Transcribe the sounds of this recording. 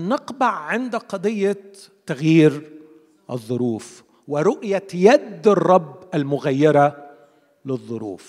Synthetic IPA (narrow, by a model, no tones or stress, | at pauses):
nɪqbɑʕːɪnd̪qɑd̪ˤɨjːa | t̪ːaɣjiːɾ | ʔɪ̰ðˤːʊɾuːf | wɪɾʊʔjajad̪ːɑrˤːɑbːalmʊɣajːɪɾˤɑ | lɪðˤːʊɾṵːf